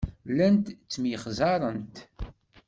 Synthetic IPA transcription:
lænt̪t͡sːmjəχzɑɾˤənt̪

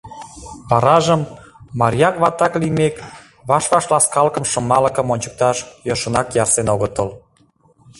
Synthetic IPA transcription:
βɑɾɑʒəmːɑɾjɑkβɑt̪ɑklimek | βɑʃβɑʃlɑskɑlkə̆mʃə̆mːɑlə̆kə̆monʲt͡ɕə̥k̚t̪ɑʃjoʃə̆nɑkjɑrsenoɣət̪əl

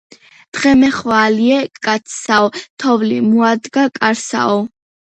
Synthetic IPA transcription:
d̪̥ʁɛmɛχvaːliɛkʼat̪sʰsaɔt̪ʰɔvlimuad̪ɡakʼaɾsa̰ɔ

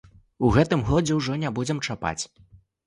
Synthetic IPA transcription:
uɣɛt̪ɨmɣɔd͡zʲɛwʐɔnʲabud͡zʲɛmt͡ʂapa̰t͡sʲ

